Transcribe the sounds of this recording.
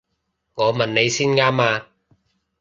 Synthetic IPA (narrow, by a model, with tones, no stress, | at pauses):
ŋɔː˨˧mɐ˨nne˨˧jsiː˥nŋaː˥maː˧